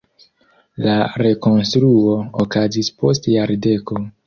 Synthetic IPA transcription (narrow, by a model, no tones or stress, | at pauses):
laɾe̞ko̞nstɾuo̞okazispo̞stjaɾde̞ko̞